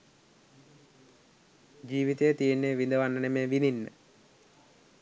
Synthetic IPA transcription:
d͡ʒiːʋit̪ejət̪ijenːeːʋind̪əʋanːənemeːʋininːə̰

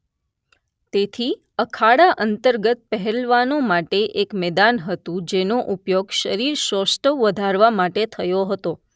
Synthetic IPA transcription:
t̪et̪ʰi | əkʰaɽaʔənt̪əɾɡət̪̚pəɦɛlʋanomaʈeʔekmɛd̪anɦət̪ũd͡ʒenoʔupjoɡʃəɾiɾʃəsʈʰəʋʋəd̪ʱaɾʋamaʈet̪ʰəjoɦət̪o

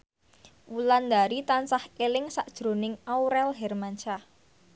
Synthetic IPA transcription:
wuland̪aɾit̪ansahelɪŋsaʔd̥ʒ̥ɾo̤nɪŋauɾɛlɦɛrmaɲt͡ʃa

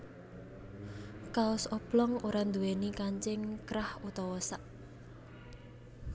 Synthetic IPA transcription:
kaʊsɔb̥lɔŋoɾand̪uwenikaɲt͡ʃɪŋkɾahut̪ɔwɔsaʔ

